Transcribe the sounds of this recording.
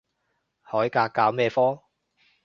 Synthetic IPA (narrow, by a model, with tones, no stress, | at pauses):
hɔː˨˥jkaː˧kːaː˨˥wmɛː˥˧fɔː˥